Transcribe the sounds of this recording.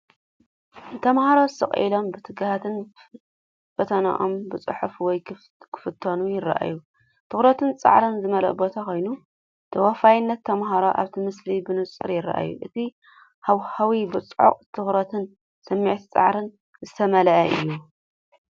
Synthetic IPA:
t̪ʰɐmhaɾosɨ̰χʼḭlo̞mbɨt̪ʰɨɡahat̪ɨn | fɐt̪ʰɐna̰ʔombɨt͡sʼɨ̰ħufwɔj | kʰɨ̥fɨt̪ʰːɐnujɪrːa̰ʔa̰ju | t̪ʰɨxɾɐt̪ʰɨnt͡sʼa̰ʕɾɨnzɨmɐlɐ̰ʔbo̞t̪ʰako̞jnu | t̪ʰɐwafajɪnːɐt̪ʰːɐmɦaɾoʔa̰βt̪ʰimɨslibɨnɨt͡sʼɨ̰ɾjɪrːa̰ʔa̰jṵʔɨt̪ʰi | hawhawibɨt͡sʼʕo̰qʼt̪ʰɨxɾɐt̪ʰɨn | sɨmːiʕt̪ʰi̥t͡sʼa̰ʕɾɨn | zɨt̪ʰɐmɐlɐʔɐʔɨ̰jːu

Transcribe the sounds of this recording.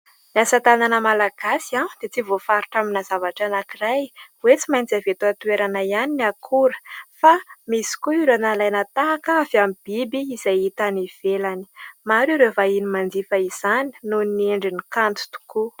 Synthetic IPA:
niasat̪ananəmalaɡ̥asiad̪̥et͡sivofaɾuʈ͡ʂaminazavaʈ͡ʂanakirajwet͡simajnt͡savet̪uat̪ueɾanaianiniakʰuɾə̥famisi̥kuiɾanalajnət̪aakaavamib̥ibiːzajit̪aniv̥elani̥maɾiɾevainimand̪ifəiz̥ani̥nuneɳɖ͡ʐinikant̪u̥t̪u̥ku

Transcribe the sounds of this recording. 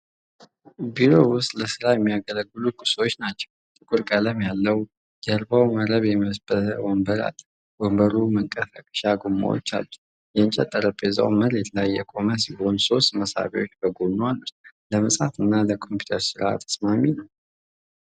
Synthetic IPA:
biɾo̞wʊst̪ʼləsɨɾajɛmːijaɡələɡːɨlukʼɨ̥so̞t͡ʃːnat͡ʃːɛ̥w | t̪ʼɨkʼuɾkʼələmjalːəw | jəɾbawməɾəβjɛməsbəwɔmbəɾa̰l | wɔmbəɾuməŋkʼəfakʼə̥ʃaɡumːa̰wo̰t͡ʃːa̰lːɛ | jɛɨnt͡ʃʼat̪ʼːəɾəpʼːeza̰wməɾɛt̪ʰəlajːɛkʼo̞məs̬iho̞nso̞st̪məsa̰βḭo̞t͡ʃːbəɡonːwalːuləməsʼafɨnːaləkʰo̞mpju̥t̪ʰəɾsɨɾʔa̰t̪ʰːə̥smaminəw

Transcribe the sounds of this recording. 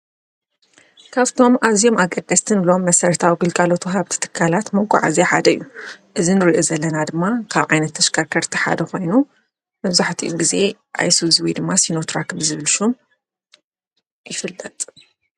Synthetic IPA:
kʰaβt̪ʰo̞maβzijo̞maɡʼɐd̪̥ːɐst̪ʰɨnlo̞mːɐsɐɾt̪ʰawiɡɨlkʼalo̞t̪ʰuɦaβt̪ʰi̥t̪ʰɨ̥kʰːalat̪mɐɡʼṵʕa̰zaħad̪ɐɨ̰jːuʔɨzinɨɾiʔozɐlːɐnad̪ɨmːakʰaβʕajnɐt̪ʰːɐʃkʰɐɾkʰɐɾt̪ʰiħa̰d̪ɐxo̞jnu | mɐβzaħt̪ʰiʔuɡize̞ | ʔa̰jsuzwid̪ɨmːasinot̪ʰɾakɨmzɨβɨlʃom | jɪfɨlːɐt̪ʼ

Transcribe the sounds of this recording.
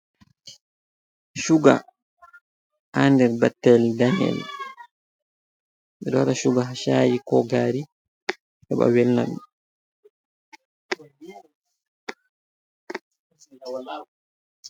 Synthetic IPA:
ʃuɡa | ʔandɛɾbatːɛldaɲɛ̰l | miɾɔwaɾaʃuɡaɦaʃaːjikɔɡaːɾi | ʔɛba̰wɛlna̰ɗu

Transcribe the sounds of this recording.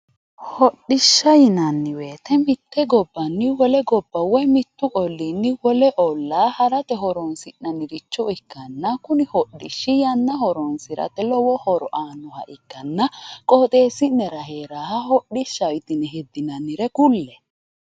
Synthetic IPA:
hɔɗːɪʃːɐjɪnɐnːɪwe̞ːt̪ɛmɪt̪ːɛɡɔbːɐnːɪwɔlɛɡɔbːɐwɛmɪt̪ːʊʔɔlːinːɪwɔlɛʔɔlːaːhɐɾɐt̪ɛɦɔɾɔnsɪnnɐnɪɾɪt͡ʃːɔɪkːɐnːɐkʊnɪhɔɗːɪʃːɪjɐnːɐhɔɾɔnsɪɾɐ̰t̪ɛlɔwɔhɔɾɔʔaːnːɔhɐ̰ʔɪkːɐnːɐkʼɔːt̪ʼe̞ːsɪnɛɾɐheːɾaːhɐhɔɗɪʃːɐjt̪ɪnɛɦɛd̪ːɪnɐnːɪɾɛkʊlːɛ

